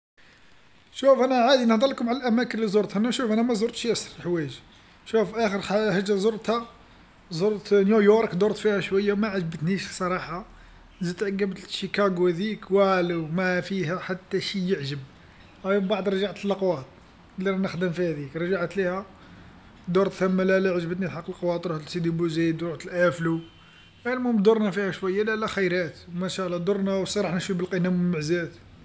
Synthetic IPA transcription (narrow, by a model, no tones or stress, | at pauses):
ʃufʔænæʕad̪inəhd̪ˤɑləkʊmʕalælʔæmækənlizoɾt̪hænæʃufʔænæmæzoɾt̪ʃæsɾˤlħwæʒ | ʃufʔæxəɾhəʒːæzˤoɾˤt̪hæ | zoɾˤt̪njujoɾˤkd̪oɾˤt̪fihæʃwəjːamæʕaʒbət̪niʃsˤɑɾˤɑħɑ | zəd̪t̪ʕəɡæbt̪ʃikɑɡuhæd̪ikwælwmæfihæħat̪ːæʃijəʕʒəb̚ | hæjbbaʕd̪ɾˤɑʒaʕt̪əlːɑqwɑt̪̚ˤ | lːiɾˤɑnəxd̪əmfihæd̪ikɾˤɑʒaʕt̪lihæ | d̪oɾˤt̪θæmːælælæʕəʒbət̪nit̪ħɑqːəlqwɑt̪ˤɾuhæd̪əlsid̪ibuzid̪ɾut̪əlʔæflu | ʔælmumd̪oɾˤnæfihæʃwæjːælælæxəjɾæt̪wmæʃælˤːɑd̪oɾˤnæwsˤɑɾˤɑħnəʃibəlqinæməlməʕzæt̪